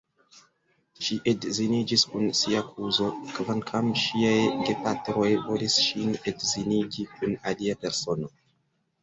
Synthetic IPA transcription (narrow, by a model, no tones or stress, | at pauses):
ʃiʔedzinid͡ʒiskunsiakʰuzo̞kvaŋkʰamʃiajɡe̞patɾo̞jvo̞lisʃinedziniɡikunaliape̞ɾso̞no̞